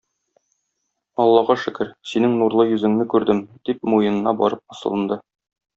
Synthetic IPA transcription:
ɒlˠːɑʁɑʃɘ̆kɘɾsinɘŋnuɾlˠɤjɵ̆zɘ̆ŋnɘkʉɾd̪ɘmd̪̥ip̚mujɤ̆nɤ̆nɑbɒ̰ɾɤp̚ɒ̆sɤ̆lˠɤ̆nd̪ɤ

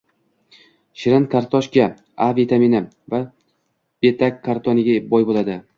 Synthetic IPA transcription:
ʃɪɾɪnkʰaɾt̪ʰɒʃkʲa | avit̪ʰaminɪ | va | b̥e̞t̪ʰakʲʰːaɾt̪ʰɒnɪɡʲabɒjbolˠad̪ɪ

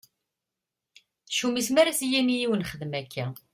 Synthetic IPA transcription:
θʃumismæɾæsjæmijiwənχəðmækːæ

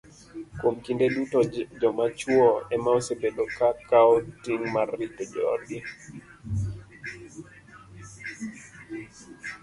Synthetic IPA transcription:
kwomkindedutɔd͡ʒɔmat͡ʃuɔɛmaɔsebedokakaɔtiŋmaritɔd͡ʒɔɔ̰ɗi

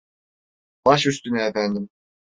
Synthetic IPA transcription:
b̥ɑʃyst̪ynɛɛfænd̪ɪm

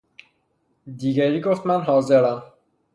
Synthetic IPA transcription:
d̪iɡæɾiɡoft̪mænɦɒːzeɾæm

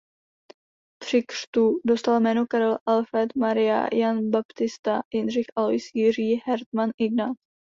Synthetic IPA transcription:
t̪r̝̥ɪkr̝̥t̪udo̞st̪almɛːno̞kaɾɛlʔalfɾɛt̪maɾɪja̰janbapt̪ɪst̪ajɛnr̝ɪxʔalojsjɪriːɦɛɾt̪manʔɪɡnat̪

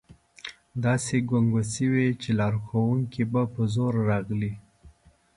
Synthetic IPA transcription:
d̪ɑseɡwaŋɡasəwet͡ʃelɑɾxawuŋkibapəzoɾɾɑɣli

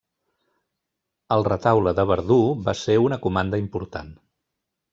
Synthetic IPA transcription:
əlˠrət̪awləðəβ̞əɾðuβaseunəkumand̪əimpuɾt̪a̰n

